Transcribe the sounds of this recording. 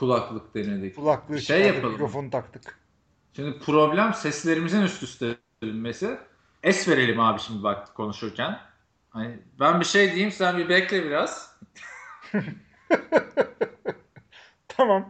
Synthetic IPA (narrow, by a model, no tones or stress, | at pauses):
kʰulˠaklˠɯkd̪ened̪ɛculˠaklˠɯʃejːapalˠɯɾofont̪ʰakt̪ʰɯk | ʃimd̪ipʰɾo̞blʲæmsɛslʲe̞ɾimizinyst̪ʰyst̪ʰe | linmesɪ | ɛsve̞ɾe̞lʲimhaːbiʃimd̪ibak̚t̪ʰɯ̥kʰo̞nuʃuɾcʰæn | hanibænbiʃejd̪ejimsænbibɛclʲɛbiɾaz̥ | t̪ʰamam